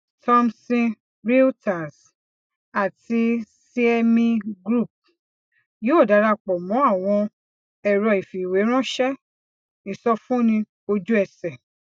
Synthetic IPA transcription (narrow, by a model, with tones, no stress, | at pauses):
tʰɔ̃˦msĩ˦ | ɾi˦ta˨s | a˨ti˧si˦ɛ˧mĩ˧ɡɾu˦˨p̚ | joː˦˨da˨˧˦ɾa˧k͡pɔ˨mɔ̃˨˦a˦˨w̃ɔ̃˧ | ɛ˨ɾɔ˧i˨fi˨we˨˦ɾ̃ɔ̃˦ʃɛ˦ | i˨sɔ˧fũ˦nĩ˧ | o˧d͡ʒu˦ɛ˨sɛ˨